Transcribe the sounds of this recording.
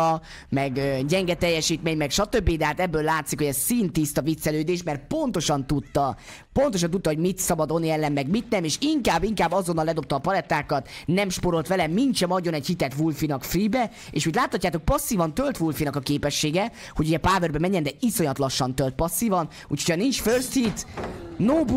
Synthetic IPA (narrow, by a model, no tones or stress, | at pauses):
mɛɡøɟɛŋɡɛt̪ɛjːɛʃiːt̪meːɲmɛkʃɒt̪øbːid̪ɛɦaːt̪ɛbːøːlːaːt̪sikhoɟɛszsiːnt̪ist̪ɒvit̪sɛløːd̪eːʃmɛrt̪po̞nt̪o̞ʃɒnt̪ut̪ːɒ | po̞nt̪oʃ̬ɒnt̪ut̪ːɒɦo̞ɟmit̪sɒbɒd̪o̞nːiɛlːɛmːɛɡmit̪nɛmeːʃiŋkaːbːiŋkaːbːɒzonːɒlɛd̪o̞p̚t̪ɒːpɒlɛt̪ːaːkɒt̪nɛmʃpoɾo̞lt̪ʋɛlɛmint͡ʃɛmɒɟːo̞nɛchit̪ɛt̪ʋulfinɒkfribɛ | ḛːʃit̪laːt̪hɒcːaːt̪o̞k̚pɒsːiːvɒnt̪ølt̪ʋulfinɒkɒkeːpɛʃːeːɡɛ | hoɟuɟɛpaːvørbɛmɛɲːɛnd̪ɛiso̞ɲɒt̪lɒʃːɒnt̪ølt̪̚pɒsːivɒn | ṵːcʰocʰɒnint͡ʃførshit̪noːb